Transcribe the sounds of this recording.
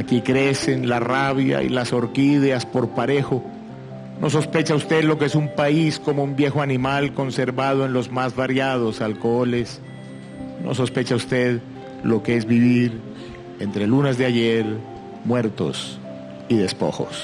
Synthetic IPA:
akikɾe̞se̞nlaraβja̰ḭlaso̞ɾkiðeaspo̞ɾpaɾe̞xo̞ | no̞s̬o̞spe̞t͡ʃaust̪e̞ðlo̞keesumpaisko̞moumbje̞xoanĩmalko̞nse̞ɾβað̞oe̞nlo̞zmazβaɾjað̞o̞salkoole̞s | no̰s̬o̞spe̞t͡ʃaust̪e̞ð | lo̞kee̞zβiβiɾ | e̞nt̪ɾe̞lunezðeaʝeɾ | mwe̞ɾt̪o̞̰s | iðe̞spo̞̰xo̞̰s

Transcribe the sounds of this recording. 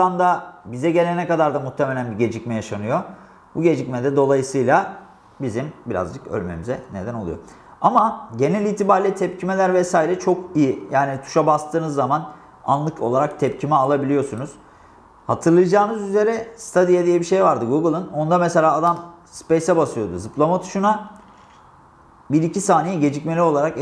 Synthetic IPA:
and̪abizɛɟe̞lʲenɛkad̪aɾd̪amuht̪ʰeme̞lʲænbiɟe̞d͡ʒicmɛjaʃanɯjo̞ | buɟe̞d͡ʒicmɛd̪ɛd̪o̞lˠajɯsɯjlˠa | bizimbiɾa̰zd͡ʒɯkø̰lʲme̞̰mizɛne̞d̪æno̞lˠṵjo̰ | amaɟe̞nɛlʲiːt̪ʰibaɾlʲit̪ʰɛpcʰime̞lʲæɾvɛsaːiɾɛt͡ʃʰo̞kijijaːnit̪ʰu̥ʃabast̪ʰɯːnɯzːaman | a̰nlˠɯkʰo̞lˠaɾak̚t̪ʰɛp̚cʰimɛalˠabilʲijo̞sunuz̥ | hat̪ʰɯɾlˠɯjɯd͡ʒaːmɯzyze̞ɾɛst̪ʰad̪ijad̪ijɛbiʃe̞jvaɾd̪ɯɡuɡɯlˠɯno̞nd̪amese̞lʲaːd̪amspejsɛbasɯjo̞d̪uzɯplˠamat̪ʰu̥ʃuna | biɾicʰisaːnijiɟe̞d͡ʒicme̞lʲio̞lˠaɾak

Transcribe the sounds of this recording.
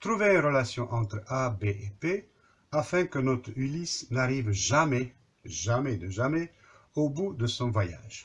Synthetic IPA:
t̪χuveɛʁəlasjɔ̃ʔɑ̃t̪χabeʔepe | afɛ̃kənɔt̪χylisnaʁivʒamɛ | ʒamɛd̪əʒamɛ | obud̪əsɔ̃vwaja̰ːʒ

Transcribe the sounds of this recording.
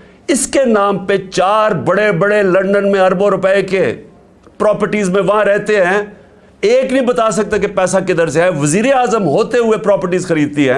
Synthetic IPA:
ɪskenãːmpet͡ʃaːɾbɐɽebɐɽelɐ̃ɳɖənmẽɐɾbõɾʊpɛeke | pɾɔːpəɾʈiːzmẽʋɐɦãɾɛɦt̪eɦɛ̃ː | eːknĩbɐt̪aːsɐk̚t̪akepɛːsaked̪ɐɾzɦɛʋɐziːɾeaːzəmɦoːt̪eɦʊepɾɔːpəɾʈiːzxɐɾiːd̪̚t̪iɦɛ̃ː

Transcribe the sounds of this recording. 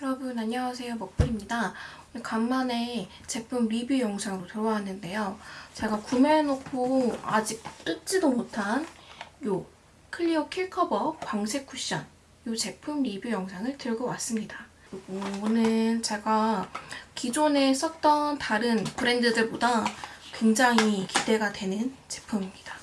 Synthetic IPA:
jʌɾʌbunaɲjʌwas̬ʰe̞jomʌk̚p͈ɯɾimɲidaonɯkamːane̞ | t͡ɕe̞pʰumɾibjujʌŋsʰaŋɯɾotɯɾʌwaɦanɯnde̞jot͡ɕe̞ɡakumenokʰoa̰d͡ʑik̚t͈ɯt̚t͡ɕ͈idomotʰanjo | kʰɯʎːiokʰiɭkʰʌbʌkwaŋsʰe̞k͈ʰːuɕ͈a̰n | jot͡ɕe̞pʰumɾibjujʌŋsʰaŋɯɭtɯɭɡʌwas͈ɯmɲida | ɯɾiɡoonɯnt͡ɕe̞ɡa | kid͡ʑone̞s͈ʰʌk̚t͈ʌntaɾɯnpɯɾe̞ndɯdɯɭbodakwe̞ŋd͡ʑaŋikide̞ɡadwe̞nɯnt͡ɕe̞̥pʰumimɲid̥a

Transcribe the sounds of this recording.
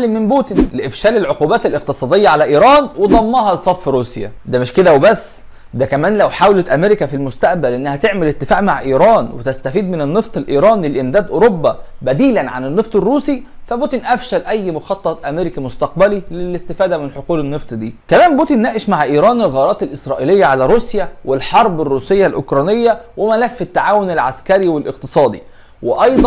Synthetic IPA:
limːɪmbuːt̪inleʔɪfʃæːlelʕoquːbæːt̪elʔeq̚t̪ɨsˤɑːd̪ejːæʕalæʔiːɾˤɑːnwed̪ˤɑmːɑːɦɑlesˤɑfːɾuːsjæ̰d̪æːmɪʃked̪æwebæsː | d̪ækæmæːnlæwħaːwlet̪ʔæmeɾɪkæfilmʊst̪æʔbælʔenːæhæt̪eʕmelet̪ːɪfæ̰ːʔmaʕʔiːɾˤɑːnwet̪æst̪æfiːd̪̚mɪnenːeft̪ˤelʔiːɾˤɑːnlelʔemd̪æːd̪ʔoɾobːæbæd̪iːlænʕa̰nenːeft̪ˤerːuːsifæboːt̪inʔæfʃælʔæjːmʊxɑt̪ˤːɑt̪ˤʔæmeɾɪkimʊst̪ɑq̚bælilɪlɪst̪ɪfæːd̪æmɪnħoquːlɪnːɨft̪ˤd̪ḭːkæmæːmbuːt̪inːæːʔɪʃmaʕʔiːɾˤɑːnelɣɑːɾˤɑːt̪ɪlʔɪsɾˤɑːʔilɪjːaʕalæɾuːsjæwelħɑɾˤbɪrːuːsɪjːalʔo̰kɾˤɑːnɪjːæwemælæfːɪt̪ːaʕaːwonɪlʕa̰skæɾiwelʔɪq̚t̪ɨ̥sˤɑːd̪ḭ | weʔɑjd̪ˤɑ

